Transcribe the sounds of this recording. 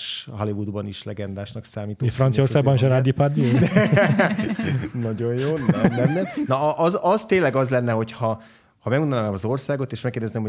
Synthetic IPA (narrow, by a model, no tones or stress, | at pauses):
ʃɦɒlivud̪bɒniʃlɛɡɛnd̪aːʃnɒksaːmiːt̪oefrɒnsijorsaːɡbɒnʒɛɾaːd̪ipard̪y | nɒɟo̞jjoːnɛnɛmnɛnɒɒʔzɒzt̪eːlɛɡɒzlɛnːɛɦo̞chɒ | hɒmɛɡunnanaːmɒzo̞rsaːɡo̞t̪eːʃmɛkːerd̪ɛznemho